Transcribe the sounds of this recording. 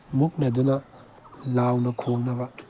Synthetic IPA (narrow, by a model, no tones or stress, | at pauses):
muk̚nɐdunɐ | lawnɐkʰoŋnɐbɐ